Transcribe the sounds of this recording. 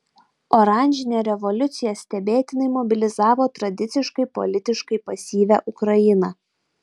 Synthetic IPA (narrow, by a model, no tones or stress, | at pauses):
ɔɾɑˑnʲʒʲɪnʲeːɾʲɛʋɔlʲʊt̪sʲɪjɛsʲt̪ʲɛbʲeːt̪ʲɪnɐɪmɔbʲɪlʲɪzɑːʋoːt̪ɾɐd̪ʲɪt̪sʲɪʃkɐɪpɔ̰lʲɪt̪ʲɪʃkɐɪpɐsʲiːʋʲæ̰ːʔʊkɾɐjɪnɐ